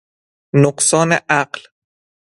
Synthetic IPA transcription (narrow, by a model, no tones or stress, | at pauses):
noqsɒːneʔæɢl